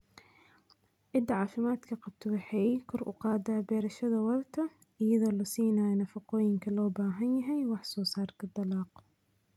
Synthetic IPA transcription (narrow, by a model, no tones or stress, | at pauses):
ʔɪd̪ɐʕɑːfɪmaːd̪kʰɐqɑb̚t̪ʰʊɣɐħɛjkʰɔrʔʊ̰qɑːd̪ɐːbɛːɾɐʃɐðɐwɑlt̪ʰɐ | ʔɪjɐðoːlʊsiːnaːnɐfɐqɔːjɪŋkʰɐlɔːbaːɦɐnjɐɦɛjwɑħsɔːsaːrkʰɐd̪ɑlɑːq